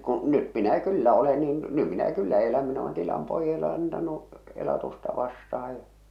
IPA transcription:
kũː nyt minæ kylːæ ole niːn ny minæ kylːæ ole niːn ny minæ kylːæ elæm min olen tilɑm poijɑle ɑntɑnu elɑtustɑ ʋɑstɑhɑ jɑ

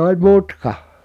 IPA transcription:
olʲ mutkɑ

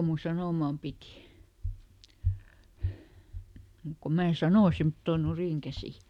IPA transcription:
mun sɑnoˑmɑˑm piˑti muˑk ko mæː sɑnoˑ semtːoˑn̆ nuriˑŋkæsi

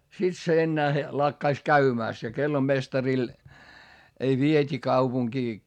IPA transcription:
sit se enːæːhe lɑkːɑis kæymæˑst jɑ kelːomestɑril ei ʋietʲi kɑupuŋkiː

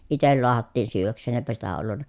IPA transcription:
itel loɑhɑtːiːn syːʋˑæksˑeːn eːpæ sitæ olːunːɑ

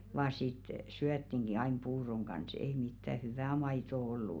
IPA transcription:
ʋɑː sit syætːiŋɡ̊i ɑin puːroŋ ɡ̊ɑns ei mitːæ hyʋæˑ mɑitoˑ olːuˑ

